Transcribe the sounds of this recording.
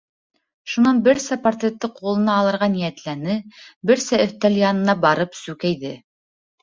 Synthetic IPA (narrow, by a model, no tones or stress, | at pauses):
ʃunɑnbɘ̆ɾsæpart̪rʲet̪ːɘqʰulˠɤ̆nɑːlˠɤ̆ɾʁɑnijæt̪lænɘbɘ̆ɾsæɵ̆θt̪æljɑnɤ̆nɑbɑɾɤpsʉkæjðɘ